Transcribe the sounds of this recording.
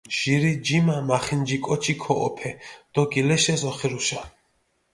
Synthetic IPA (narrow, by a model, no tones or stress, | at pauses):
ʒ̥iɾid͡ʒimamaχind͡ʒikʼɔt͡ʃʰikʰɔʔɔ̰pʰɛd̪̥ɔɡilɛʃɛzɔχiɾuʃa